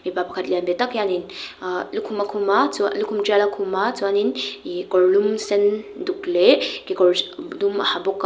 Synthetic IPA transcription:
mipapakʰat̪liambet̪akjaninlukʰumakʰumat͡sulukʰumd͡ʒalakʰumat͡suaninikɔɾlumsend̪uklekikɔɾduma̰habok

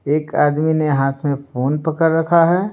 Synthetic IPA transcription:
eːkaːd̪mineɦaːt̪ʰmẽfoːnpəkəɾːɐkʰaɦɛː

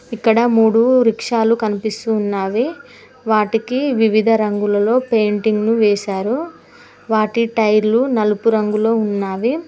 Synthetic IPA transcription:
ikːɐɽɐmuːɽuɾikʂaːlukɐnipist̪uːnːaːʋi | ʋaːʈikiʋiʋid̪ʱɐɾɐŋɡulɐlo̞ːpe̞ːɳʈiŋɡnuʋeːsaːɾu | ʋaːʈiʈɐjɾlunɐlupuɾɐŋɡulo̞ːunːaːʋi

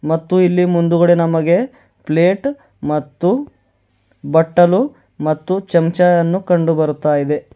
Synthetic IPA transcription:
mɐt̪ːuilːimund̪uɣɐɽenɐmɐɡe̞ | ple̞ːʈ | mɐt̪ːu | bɐʈːɐlu | mɐt̪ːut͡ʃɐmt͡ʃɐjɐnːukɐɳɖubɐɾut̪ːaːjid̪e̞

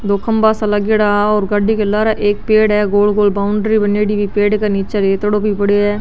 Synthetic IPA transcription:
d̪oːkʰəmbaːsəlaɡɪɽaːɔːɾɡaɖikelːaːɾaʔeːk̚peːɽɦɛːɡoːlɡoːlbaːʊɳɖɾibəneːɽibʱiːpeːɖkaniːt͡ʃaɾeːt̪ɽobʱipəɽeɛː

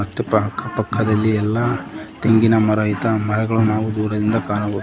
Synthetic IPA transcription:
ɐst̪ːɐpɐɦɐkʰːɐpɐkʰːɐd̪ɐlːiɛlːɐt̪eŋɡinɐmɐɾɐjit̪ɐmɐɾɛɡɐɭunaːʋud̪uːɾɐd̪ind̪ɐkaːnɐɡu

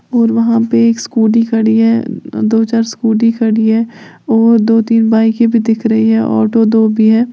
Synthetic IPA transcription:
ɔːɾʋɐɦãpeeːkskuːɖikɐɽiɦɛ̰ːd̪oːt͡ʃaːɾskuːɖikɐɽiɦɛː | ɔːɾd̪oːt̪iːnbaːikebʱid̪ɪkʰɾɐɦiɦɛ̰ːʔɔ̰ːʈod̪oːbʱiɦɛː

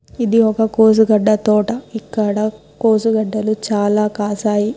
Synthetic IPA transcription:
id̪iɔkɐkoːs̬uɡɐɖːɐt̪ɔːʈɐikːɐɽɐ | koːsuɡɐɖːɐlut͡ʃaːlaːkaːsaːji

